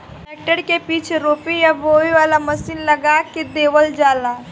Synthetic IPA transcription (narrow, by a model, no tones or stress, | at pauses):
eːk̚ʈəɽkepiːt͡ʃʰeɾoːpijaʋoːʋiʋaːlamɐsiːnlɐɡakid̪eːʋəld͡ʒaːlaː